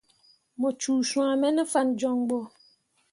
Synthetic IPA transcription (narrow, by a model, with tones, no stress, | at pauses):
mɔ̃˨t͡ʃuː˨sũ˨a˨mɛ̃˦nɛ̃˦fa˦nd͡ʒɔ̃˦ŋɡ͡bɔ˦